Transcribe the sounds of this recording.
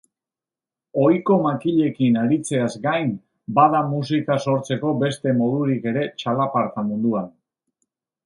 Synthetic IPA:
o̞jko̞makiʎe̞kinaɾit͡se̞azɡajn | bað̞amusikaso̞ɾt͡se̞ko̞be̞st̪e̞mo̞ðuɾike̞ɾe̞t͡ʃalapaɾt̪amund̪uan

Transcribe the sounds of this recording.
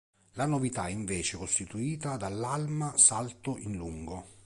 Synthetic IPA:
lanovit̪aɛiɱveːt͡ʃekost̪it̪uiːt̪ad̪alːalmasalt̪oʔinluŋɡo

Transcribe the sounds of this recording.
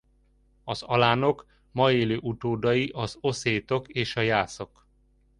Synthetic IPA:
ɒzɒlaːno̞k | mɒeːløːʔut̪oːd̪ɒjiʔɒzo̞seːt̪o̞keːʃɒjaːso̞k

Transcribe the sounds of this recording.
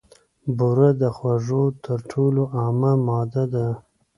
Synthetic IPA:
buɾad̪əxwaʐot̪ʰəɾʈʰoloʔɑmamɑd̪ad̪a

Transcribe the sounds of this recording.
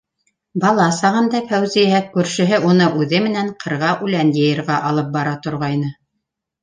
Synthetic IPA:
bɑlˠɑsɑʁɤ̆nd̪ɑfæwzijɦæk̚kːʉɾʃɘ̆ɦɘʔunɤʔʉðɘmɘ̆næɴqʰɤ̆ɾʁɑʔʉlænjɤ̆jɤ̆ɾʁɑʔɑlˠɤp̚bɑɾɑt̪ŏɾʁɑjnɤ

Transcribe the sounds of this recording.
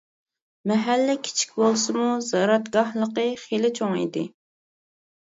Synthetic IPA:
mɛɦælːɪkʲʰi̥t͡ʃʰi̥kʲbolˠsɨmuzɑɾɑt̪ɡɑhlˠəqəχelɪt͡ʃʰoŋḭd̪ɪ

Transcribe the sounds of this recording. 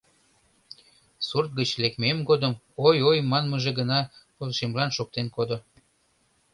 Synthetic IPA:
surt̪̚ɡət͡ɕlekmemɡod̪əm | ojojmɑnməʒeɡənɑpolʃemlɑnʃok̚t̪enkod̪o

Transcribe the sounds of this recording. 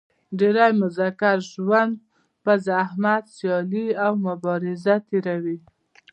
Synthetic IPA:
ɖeɾajmʊzakaɾʒwand̪̚ | pəzːhmad̪sjɑliawmʊbɑɾɪzat̪eɾawi

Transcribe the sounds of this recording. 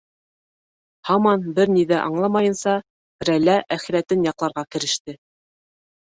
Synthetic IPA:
hɑmɑnbɘɾniðæʔɑɴlˠɑmɑjɤ̆nsɑ | ɾælæʔæχĭɾæt̪ɘnjɑqlˠɑɾʁɑkɘ̆ɾɘ̆ʃt̪ɘ

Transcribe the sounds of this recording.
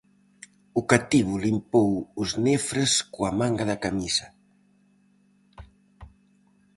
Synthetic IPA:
ʊkat̪iβʊlimpowʊznefɾeskuamaŋɡaðɐkamisɐ

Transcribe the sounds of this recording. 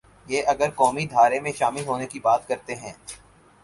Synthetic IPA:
jeːʔɐɡəɾkɔːmid̪ʱaːɾemẽʃaːmɪlɦoːnekibaːt̪kɐɾt̪eɦɛ̃ː

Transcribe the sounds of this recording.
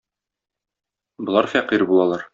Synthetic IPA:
bɤ̆lˠɑɾfæqiɾbulˠɑlˠɑɾ

